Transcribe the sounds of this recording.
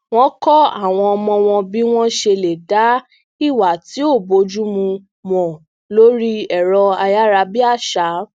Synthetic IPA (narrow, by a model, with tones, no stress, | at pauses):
w̃ɔ̃˦kɔ˦a˦˨w̃ɔ̃˧ɔ˧mɔ̃˧w̃ɔ̃˧bi˦w̃ɔ̃˦ʃe˧le˨da˨˦ | i˦˨wa˨ti˨˦o˦˨bo˨˦d͡ʒu˦mũ˧ | mɔ̃˨ | lo˨˦ɾi˦ɛ˦˨ɾɔ˧a˧ja˦ɾa˧bi˦a˦˨ʃa˨˦